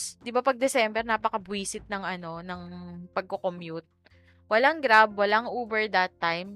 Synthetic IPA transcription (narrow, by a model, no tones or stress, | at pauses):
sd̪ɪbapɐɡ̚d̪ɛsɛmbɛɾnaːpɐkɐbwiːsɪt̪̚nɐŋʔɐno̞nɐŋpɐɡ̚kokomjut̪̚ | wɐlaŋɡɾab̚wɐlaŋʔoːbɛɹd̪ɐt̪ːajm